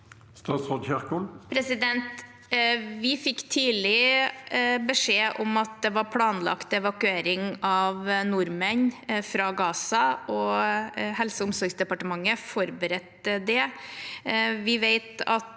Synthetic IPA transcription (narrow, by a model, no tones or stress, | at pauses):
st̪ɑːt̪sʁod̪çæʁkolpʰɾɛsɪd̪ɛnt̪ | ʋɪfɪkːt̪ʰiːlɪ | bəʂeːʔɔmɑt̪̚d̪ɛʋɑɾpʰlɑːnlɑ̰kt̪ɛʋɑkʉeːɾɪŋɑʋnʊɾmənfɾɑɡɑːsɑɔ | hɛlsəʊmsɔɾɡsd̪ɛpɑʈəmɑŋːəfɔɾbəɾɛt̪ːəd̪ɛ | ʋɪʋeɪt̪ɑ̰t̪